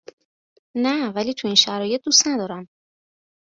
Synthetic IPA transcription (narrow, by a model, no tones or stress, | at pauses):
nævæliːt̪ʰuinʃæɾɒːje̞t̪̚d̪ust̪næd̪ɒːɾæm